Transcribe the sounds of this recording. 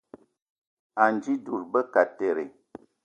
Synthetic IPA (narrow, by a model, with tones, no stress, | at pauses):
a˨nd͡ʒi˦du˨ɾbə˦ka˨te˨ɾe˨